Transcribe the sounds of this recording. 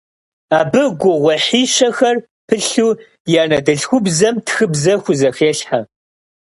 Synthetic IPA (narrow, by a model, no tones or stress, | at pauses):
aːbɨɡʷʊʁʷɔħiːʃɐxɐr | pʰɨɬuː | jaːnɐdɨɬxʷʊbzɐmtʰxɨbzɐxʷʊzɐxeːɬħa